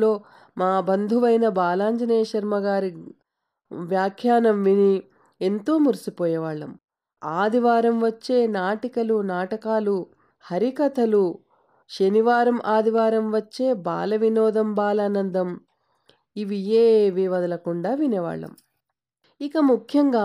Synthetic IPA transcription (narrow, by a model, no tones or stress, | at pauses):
lo̞ː | maːbɐnd̪ʱuʋɐjnɐbaːlaːɲd͡ʒɐneːjɐʃɐɾmɐɡaːɾi | ʋjaːkʰjaːnɐmʋini | e̞nt̪o̞ːmuɾisipɔːjɐʋaːɭːɐ̰m | aːd̪iʋaːɾɐmʋɐt͡ʃːe̞ːnaːʈikɐlunaːʈɐkaːlu | hɐɾikɐt̪ʰɐlu | ʃɐniʋaːɾɐmʔaːd̪iʋaːɾɐmʋɐt͡ʃːe̞ːba̰ːlɐʋinɔːd̪ɐmbaːlaːnɐnd̪ɐm | iʋijeːʋiʋɐd̪ɐlɐkuɳɖaːʋinɛʋa̰ːɭːɐ̰m | ikɐmukʰjɐŋɡaː